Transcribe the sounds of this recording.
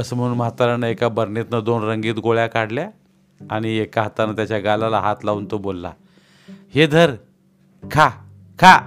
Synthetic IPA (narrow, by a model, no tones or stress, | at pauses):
əsm̤uuːnməɦat̪aɾənəekabəɾnet̪nəd̪onɾəŋɡiːt̪ɡoɭjakaɽlja | aɽ̃iekaɦat̪anət̪jat͡ɕjaɡalalaɦat̪launt̪obolːa̰ | hed̪ʱəɾ | kʰa | kʰa